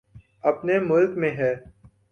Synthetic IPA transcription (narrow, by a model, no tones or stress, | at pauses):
ɐpnemʊlkmẽɦɛː